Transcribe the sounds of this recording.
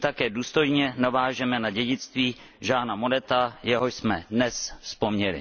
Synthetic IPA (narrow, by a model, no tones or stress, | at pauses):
t̪akɛːduːst̪o̞jɲɛnavaːʒɛmɛnaɟɛɟɪt͡st̪viː | ʒaːnamo̞nɛt̪ajɛɦoʃsmɛ̰dnɛsfspomɲɛlɪ̰